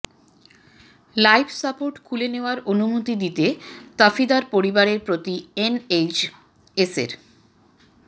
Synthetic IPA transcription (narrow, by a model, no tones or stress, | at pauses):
lajbsapoɾʈkʰuleneoaɾʔonumut̪id̪it̪et̪afid̪aɾpoɾibaɾeɾpɾot̪iened͡ʑ | esḛɾ